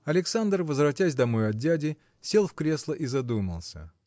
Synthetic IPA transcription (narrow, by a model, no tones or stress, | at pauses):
ɐlʲɪksand̪rvəzvɾɐtʲæsʲd̪ɐmojʊɐdʲædʲɪ | sʲe̞lˠfkɾʲe̞slˠəʔizɐd̪umə̰lˠsʲə̰